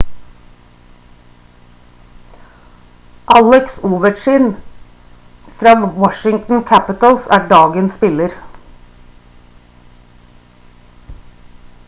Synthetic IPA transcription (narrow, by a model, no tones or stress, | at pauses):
ʔɑlɛksuːʋəʈʃɪn | fɾɑːwɔʃɪŋt̪n̩kʰæpɪt̪əl̩sæːɖɑːɡənsspɪləɾ